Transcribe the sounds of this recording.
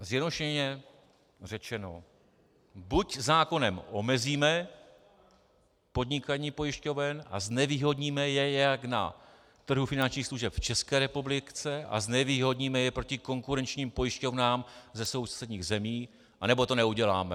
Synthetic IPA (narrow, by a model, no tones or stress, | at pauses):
zjɛdnoʃɛɛɲɛ | rɛt͡ʃɛno̞̰ | buczaːko̞nɛmʔo̞mɛziːmɛ | po̞d̪ɲɪkaɲiːpo̞jɪʃco̞vɛna̰znɛviːɦo̞dɲiːmɛjɛjakna̰ | t̪r̩ɦufɪnant͡ʃɲiːxsluʒɛpft͡ʃɛskɛːɾɛpublɪt͡sɛʔa̰znɛviːɦo̞dɲimɛjɛpɾo̞cɪko̞ŋkuɾɛnt͡ʃɲiːmpo̞jɪʃco̞vnaːmzɛso̞wst̪sɛdɲiːɣzɛmiː | ʔanɛbo̞t̪o̞nɛuɟɛla̰ːmɛ